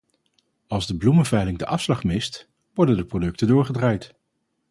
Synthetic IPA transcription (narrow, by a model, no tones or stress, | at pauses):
ɑlˠzdəbluməvɛjlɪŋdəʔɑfslɑχmɪst | ʋɔɹdəndəprodɵk̚tədʊːɹχədraːjt